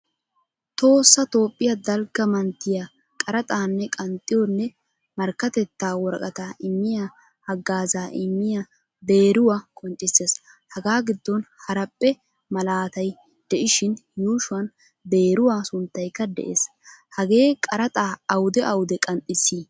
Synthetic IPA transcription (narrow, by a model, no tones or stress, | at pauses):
t̪o̞ːsːɐt̪o̞ːpʼːɪjɐd̪ɐlɡɐmɐnt̪ːɪja | kʼɐɾɐt̪ʼaːnːɛkʼɐnt̪ʼːɪjɔnːɛ | mɐɾkːɐt̪ɛt̪ːaːwɔɾɐkʼɐt̪aːʔɪmːɪja | hɐɡːaːzaːʔɪmːɪja | b̪e̞ːɾʊwakʼɔnt͡ʃʼːɪsːeːs | hɐɡaːɡɪd̪ːɔnhɐɾɐpʼːɛ | mɐlaːt̪ɐj | d̪̥ɛʔɪʃɪnjuːʃʊɐn | b̪e̞ːɾʊwaːsʊnt̪ːɐjkːɐd̪ɛ̰ʔḛːs | hɐɡe̞ːkʼɐɾɐt̪ʼaːɐwʊd̪ɛʔɐwʊd̪ɛkʼɐnt̪ʼːɪsːiː